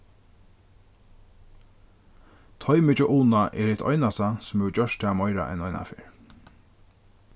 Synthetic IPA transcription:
t̪ʰɔjmɪt͡ʃɔʔuːnaʔɛɾɪt̪ɔ̰ʏnast̪asʊmɛt͡ʃœʃt̪aːmɔjɾa̰ʔɛ̰nɔjna̰fɪɹ

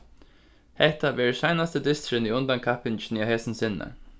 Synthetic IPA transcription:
hɛht̪aʋɛːɹsajnast̪əd̪ɪst̪ɾɪniʊnt̪ankʰahpɪnt͡ʃnahɛːsənsɪnːa̰

